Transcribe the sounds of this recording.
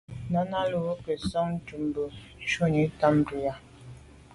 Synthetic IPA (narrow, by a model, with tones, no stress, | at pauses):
na˦na˦lu˨wo˦ke˨sɔ˦ŋn̩˦d͡ʒu˨m˨bə˨˦ | t͡ʃo˦ɲe˨˦ta˦m̩˦ɾi˨ja˦